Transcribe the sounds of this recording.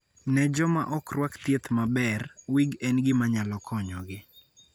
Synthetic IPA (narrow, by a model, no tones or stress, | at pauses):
nɛd͡ʒɔma̰ʔɔkrwakt̪jet̪mabɛrwiɡɛnɡɪmaɲalɔkʰɔɲɔɡɪ